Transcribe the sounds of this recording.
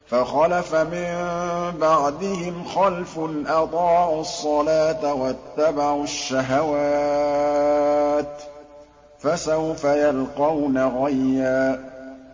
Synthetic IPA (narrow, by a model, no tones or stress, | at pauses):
faxɑlafamɪmbaʕd̪ɪhɪmxalfnʔɑd̪ˤɑːʕʊsˤːɑlaːt̪awat̪ːabaʕʊʃːaɦawaː | t̪ | fasawfajalqɑwnaɣajːaː